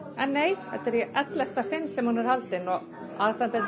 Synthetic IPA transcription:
ɛnːeːjhɛt̪ːɛɾjɛʔɛt̪lɛht̪asɪnːsɛmhunɛɾhalt̪ɪnɔɣ | aðst̪ant̪ɛ

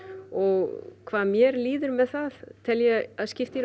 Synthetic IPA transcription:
ɔɣkʰvaːðmjɛɾliːðɪɾmɛðθaðt̪ʰɪljɛaðscɪft̪i

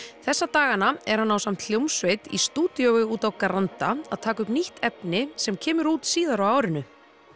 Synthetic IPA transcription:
θɛsːat̪aːɣanaɛ̰ɾ̥hanːawsam̥t̪ʰljowmsveːjt̪ḭst̪uːt̪jowɪuːt̪awkaɾant̪aa̰ðt̪ʰaːkʏpniht̪ʰɛpnɪsɛmcʰɛːmʏɾuːt̪siːðaɾawaːwɾɪnʏ

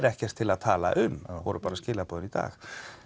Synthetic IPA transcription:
ɾɛhcɛr̥t̪ʰɪlaðt̪ʰaːla̰ʔʏmːnavɔɾʏpaːɾascɪːlapɔðʏnit̪a̰ːx

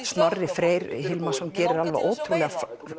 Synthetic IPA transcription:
st̪nɔrːɪfɾeːjɾhɪlmasɔmcɛːɾɪɾalva̰ʔoːwt̪ʰɾulɛɣaf

